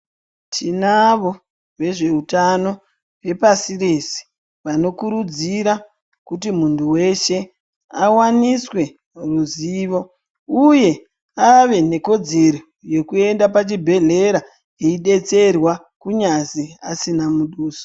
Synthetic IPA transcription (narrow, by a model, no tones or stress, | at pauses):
tʰinaʋo | ʋe̞ʐe̞utano̞ | we̞pasiresi̥ | ʋano̞kuɾud͡ziɾa | kutimuntʰuwe̞ʃe̞ | awaniswe̞ | ruziːʋo̞ | uje̞ | aʋe̞ne̞ko̞d͡ze̞ɾo | je̞kue̞ndapat͡ʃibʱe̞ɮe̞ɾa | eiɗe̞t͡se̞rwa | kuɲaziasinamuɗuːso̥